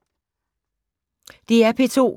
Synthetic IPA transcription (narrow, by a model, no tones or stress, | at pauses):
d̥iæɐpʰe̝t͡sʰo̝̰ː